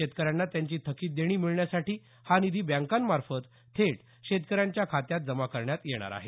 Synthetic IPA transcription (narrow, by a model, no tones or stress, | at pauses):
et̪kəɾjanːat̪jaɲt͡ɕiːt̪ʰəkiːt̪̚d̪eɽ̃iːmiɭɳjasaʈiː | hanid̪ʱiːbjãŋkanmaɾfət̪ | t̪ʰːeʈ | ɕet̪̚kəɾjaɲt͡ɕjakʰat̪jat̪̚d͡zəmakəɾɳjat̪jeɽ̃a̰ɾa̰ɦe